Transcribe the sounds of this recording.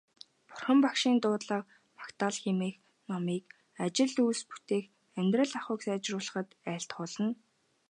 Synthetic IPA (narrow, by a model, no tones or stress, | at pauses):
pʊ̥rχə̆mpakʃiːnt̪ʊːt̪ɮaːq̚ | pʰḁkt̪aːɮxemeːx | nɔmiːk | at͡ɕɪ̆ɮuːspu̥t̪eːx | æmʲt̪rə̆ɮaχʊ̆ːksæːt͡ɕrʊːɮə̆χə̆t̪æːɬt̪χʊɮə̆n